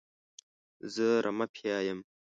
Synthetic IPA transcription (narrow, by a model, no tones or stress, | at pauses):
zəɾʔamapʰijɑːjəm